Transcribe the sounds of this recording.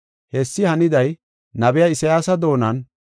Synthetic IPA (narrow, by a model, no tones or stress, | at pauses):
hɛsːɪhɐnɪd̪ɐj | nɐbɛjɐɪsɐjaːsɐd̪o̞ːnɐn